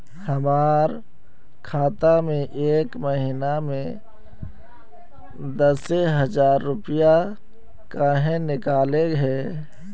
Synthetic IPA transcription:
həmaːɾ | kʰaːt̪amẽʔeːkməɦinamẽ | d̪əseɦəzaːɾːʊpija | kaɦẽnɪkaːleɡɦɛː

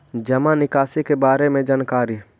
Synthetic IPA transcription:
d͡ʒəmanɪkaːsikebaːɾemẽd͡ʒaːnkaːɾi

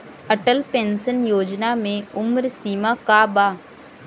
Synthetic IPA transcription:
əʈəlpẽːnsənjoːd͡ʒnamẽʊmɾsiːmakabaː

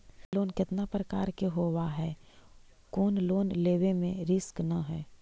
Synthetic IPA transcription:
loːnkɪt̪napɾəkaːɾkeɦoːʋaɦɛː | koːnloːnleːʋemẽɾɪsknɐɦɛː

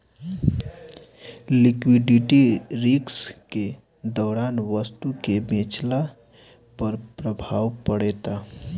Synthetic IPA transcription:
likwiɖiʈiɾikske | d̪ɔːɾanʋəst̪ukebẽt͡ʃla | pəɾpɾəbʱaːwpəɽɛt̪a

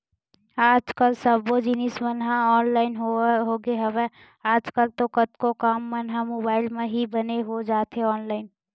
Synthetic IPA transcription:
aːd͡ʒkəlsəbod͡ʒinismənɦaɔːnlaːɪnɦoɦoɡeɦəbɛ | aːd͡ʒkəlt̪okət̪kokaːmːənɦamoːbaːɪlmẽɦibəneɦod͡ʒaːt̪ɦeɔːnlaːɪn

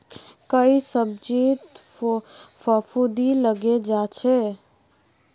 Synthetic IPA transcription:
kəisəb̚d͡ʒit̪ | fəfʰud̪iləɡed͡ʒat͡ʃʰɛ

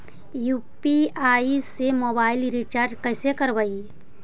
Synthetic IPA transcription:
juːpiaːisemoːbaːɪlɾɪt͡ʃaːɾd͡ʒkɛɪsekəɾʋai

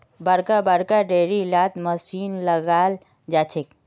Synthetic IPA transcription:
bəɾkabəɽkaɖeɾilat̪məsinləɡal | d͡ʒat͡ʃʰek

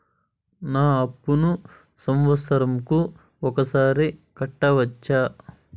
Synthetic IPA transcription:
naːɐpːunu | sɐmʋɐsɐɾɐmku | ɔkɐsaːɾikɐʈːɐʋɐt͡ʃːaː

